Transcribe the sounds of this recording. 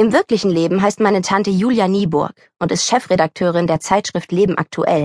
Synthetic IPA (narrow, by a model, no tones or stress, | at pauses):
ʔɪmvɪɐklɪçn̩leːbm̩ɦaɪstmaɪnətʰantəjuːljaniːbʊ̰ɐk | ʔʊntɪstʃɛfʁ̥edak̚tʰøːʁ̞ɪndeːɐt͡saɪtʃʁ̥ɪftleːbm̩ʔa̰k̚tʰuʔɛ̰l